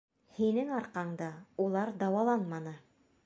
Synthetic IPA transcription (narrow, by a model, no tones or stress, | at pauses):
hinɘŋɑɾqɑɴd̪ɑulˠɑɾd̪ɑwɑlˠɑnmɑnɤ